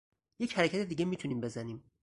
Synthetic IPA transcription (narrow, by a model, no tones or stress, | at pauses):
je̞chæɾecʰæt̪ed̪iːɡemiːt̪ʰuniːmbe̞zæniːm